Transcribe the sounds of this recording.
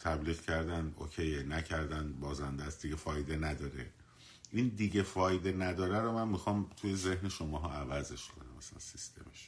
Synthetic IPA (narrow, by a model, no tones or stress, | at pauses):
t̪ʰæbliːɣcʰæɾd̪æno̰cʰejnæcʰæɾd̪ænbɒːzænd̪æsd̪̥iɡefɒːjd̪enæd̪ɒːɾe | ʔind̪iɟefɒːjd̪enæd̪ɒːɾæɾomænmixɒːmt̪ʰujeze̞hneʃomɒːɦɒːævæze̞ʃkʰo̞næmæsælæ̰nsist̪ʰe̞̰meʃ